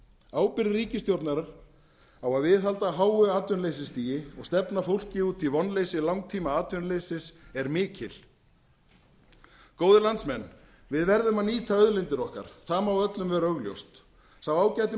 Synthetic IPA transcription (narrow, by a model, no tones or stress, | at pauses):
aːwpɪɾðɪɾiːcɪst̪jowɾt̪naɾaɾ̥ | awaðvɪðɦalt̪aɦaːwʏaːt̪ʏnlejsɪst̪iːjɪɔɣst̪ɛpnafowl̥cɪuːt̪ivɔnːlejsɪlawŋk̚t̪ʰiːmaaːt̪ʏnlejsɪsɛɾmɪːcɪl | koːwðʏlant̪smɛnː | vɪðvɛɾðʏmaniːt̪ʰaœðlɪnt̪ɪɾɔhka̰ɾ̥θaːmawœt̪lʏmvɛɾœɣljo̰wst̪ | sawaːwcajt̪ɪ